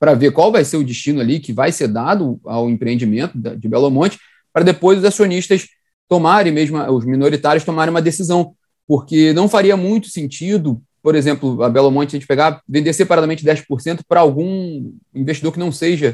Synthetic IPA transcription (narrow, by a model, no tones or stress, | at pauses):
pɾɐvekwawvajseɾʊd͡ʒiʃt͡ʃĩnʊalikɪvajseɾd̪ad̪ʊa̰wẽmpɾẽẽnd͡ʒɪmẽnt̪ʊd̪ɐd͡ʒɪbɛlomõt͡ʃɪ̥ | pɾɐd̪epojzʊzasioniʃt̪ɐʃ | t̪omaɾẽj̃meʒmʊɐʊzmĩnoɾit̪aɾjʊʃt̪omaɾẽũmɐd̪esizɐ̃w̃ | poɾkenɐ̃w̃faɾiɐmũj̃t̪ʊ̥sẽnt͡ʃid̪ʊ | poɾezẽmplʊɐbɛlomõt͡ʃɪɐʒẽt͡ʃɪpeɡavẽnd̪eɾsepaɾad̪ɐmẽnt͡ʃɪd̪ɛjʃpoɾsẽnt̪ʊ̥pɾɐawɡũ | ĩveʃt͡ʃid̪oɾkɪnɐ̃w̃seʒɐ